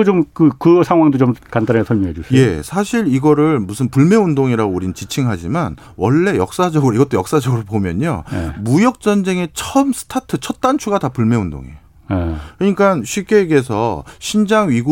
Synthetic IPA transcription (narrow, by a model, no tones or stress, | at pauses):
t͡ɕomkɯkɯsʰaŋɦwaŋdot͡ɕomkantanesʰʌmjoŋɦed͡ʑusʰje̞sʰaɕʰiɾiɡʌɾɯɭmusʰɯnpuɭme̞undoŋiɾaɡouɾint͡ɕit͡ɕʰiŋɦad͡ʑiman | wʌɭːe̞jʌk̚s͈ad͡ʑʌɡɯɾoiɡʌt͈ojʌks͈ad͡ʑʌɡɯɾopomjʌ̰ɲo̰mujʌk̚t͡ɕ͈ʌnd͡ʑe̞ŋe̞t͡ɕʰʌmsʰɯ̥tʰatʰɯt͡ɕʰʌt̚t͈ant͡ɕʰuɡatapuɭme̞undo̰ŋḛjo | ekɯɲik͈anɕʰɥip̚k͈e̞ːɡe̞sʰʌɕʰind͡ʑaŋɥiɡu